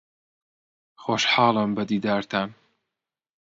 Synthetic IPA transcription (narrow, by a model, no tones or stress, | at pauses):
xoːʃħɑːlˠɨmbɐd̪iːd̪aːɾt̪ʰam